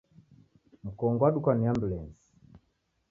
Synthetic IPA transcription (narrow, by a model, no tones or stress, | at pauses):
m̩kɔŋɡɔwaɗukaniambulɛnsi̥